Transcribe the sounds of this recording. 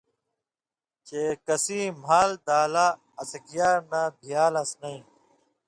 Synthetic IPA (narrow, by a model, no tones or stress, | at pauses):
t͡ɕeːkɐsĩːm̤aːld̪aːlaː | sɐkijaːɾnab̪ʱijaːlɐsnɐĩː